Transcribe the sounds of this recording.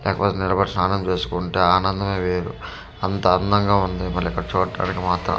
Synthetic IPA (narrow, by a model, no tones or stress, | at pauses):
lɛ̰ːkɐpoːt̪enilɐbɐʈisnaːnɐmt͡ʃe̞ːsu̥kuɳʈeːaːnɐnd̪ɐmeːʋeːɾṵ | ɐnt̪ɐːnd̪ɐŋɡaːund̪imɐɾːikːɐɽɐt͡ʃuːʈːa̰ːnikimaːt̪ɾɐ̰